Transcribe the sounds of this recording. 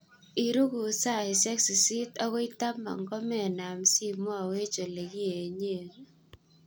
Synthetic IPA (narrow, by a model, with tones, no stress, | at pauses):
i˨ɾu˦ɡu˨sa˦˨i˨sɛ˦ksi˨si˦tɔ˦ɣɔ˦i˦ta˦ma̰˨ŋɡɔ˦mɛ˨na˨msi˦mwa˦˨we˦t͡ʃo˨le˨ɡi˦e˨ɲe˦˨